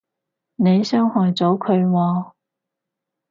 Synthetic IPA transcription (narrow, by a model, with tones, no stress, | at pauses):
ne˨˧jsœː˥ŋhɔː˨jt͡sɔː˨˥kʰɵ˨˧ɥwɔː˧